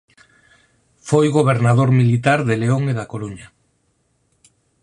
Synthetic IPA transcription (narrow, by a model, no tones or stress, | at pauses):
fojɣoβ̞eɾnað̞oɾmilit̪aɾðeleoŋeðakoɾuɲa